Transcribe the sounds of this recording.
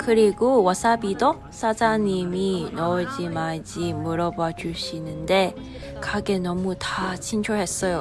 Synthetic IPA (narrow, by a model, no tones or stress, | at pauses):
kɯɾiɡowʌs͈abido | s͈ʰad͡ʑaɲiminʌɭd͡ʑimaɭd͡ʑimuɾʌbad͡ʑuɭɕ͈inɯnde̞ | kaɡe̞nʌmutat͡ɕʰint͡ɕʰoɦe̞s͈ʌjo